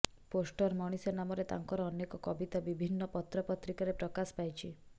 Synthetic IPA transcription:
posʈɔɾmɔɽ̃isɔnamɔɾet̪a̰ŋkɔɾɔɔnekɔkɔbit̪abibʱinːɔpɔt̪ɾɔpɔt̪ɾikɔɾepɾɔkaspajt͡ʃʰi

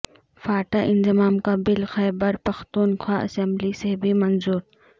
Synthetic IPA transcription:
faːʈaʔɪnzɪmaːmkabɪlxɛːbɐɾpɐxt̪uːnxwaːʔɐ̰sɛmblisebʱimɐnzuːɾ

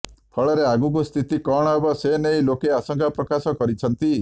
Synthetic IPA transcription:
pʰɔɭɔɾeaɡukust̪ʰit̪ikɔɽ̃ɔebɔsenejlokeasɔŋkʰapɾɔkasɔkɔɾit͡ʃʰɔnt̪i

